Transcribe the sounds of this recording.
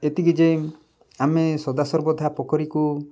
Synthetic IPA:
et̪iɡid͡ʒe | amesɔd̪asɔɾbɔd̪ʱapɔkɔɾiku

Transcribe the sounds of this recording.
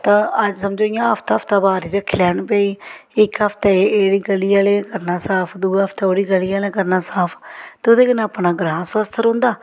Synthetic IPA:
t̪ãːəd͡ʒsəmd͡ʒoːɪjãːəpʰt̪aːpʰt̪aːbaːɾiːɾəkʰːlɛːnpeːiːɪkəpʰt̪ɛːeːɽiːɡəliːaːleːkəɾnaːsaːpʰd̪uːəpʰt̪ɛːoːɽiːɡəliːaːleːkəɾnaːsaːpʰt̪eoːd̪eːkənaːpnãːɡɾãːnsʋəst̪ʰɾõːnd̪aː

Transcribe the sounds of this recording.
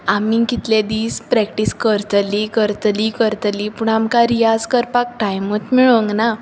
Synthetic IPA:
amikit̪lẽd̪iːspɾɛkʈiskəɾt̪likəɾt̪likəɾt̪lipuɳamkãɾijad͡zkəɾpak̚ʈajmət̪miɭə̃ŋɡna

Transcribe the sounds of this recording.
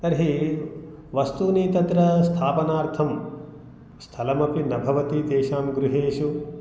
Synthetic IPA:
t̪ɐɾɦi | ʋɐst̪uniːt̪ɐt̪ɾɐst̪ʰaːpɐnaːɾt̪ʰɐm | st̪ʰɐlɐmɐpinɐbʱɐʋɐt̪it̪eːʃaːmɡɾuɦeːʃu

